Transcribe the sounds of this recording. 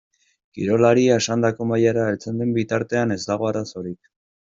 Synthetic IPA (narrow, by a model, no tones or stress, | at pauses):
kḭɾo̞laɾiae̞ʃand̪ako̞majaɾaelt͡se̞nd̪embit̪aɾt̪e̞ane̞zd̪aɣ̞o̞aɾaso̞ɾik̚